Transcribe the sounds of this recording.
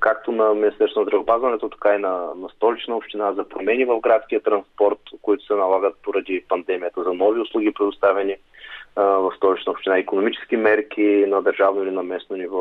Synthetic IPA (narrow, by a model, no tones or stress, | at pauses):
kakt̪onɐmʲinist̪ɛɾsvonzd̪ɾɐvɛopazvɐnɛt̪ot̪ɐ̥kainɐnɐst̪ɔlit͡ʃnəopʃt̪inazɐpɾomɛnivɐvɡɾat̪skʲijət̪ɾɐnspɔɾt̪koit̪ʊ̥sɛnɐlˠaɡət̪̚poɾɐd̪ipɐnd̪ɛmijət̪əzɐnɔviʊslˠuɡ̟ipɾɛd̪ʊst̪avɛni | vɐfst̪ɔlit͡ʃnəopʃt̪inaikonomit͡ʃɛ̥skimɛɾk̟ʰʲinɐd̪ɐɾʒavnoilinɐmɛsnonivɔ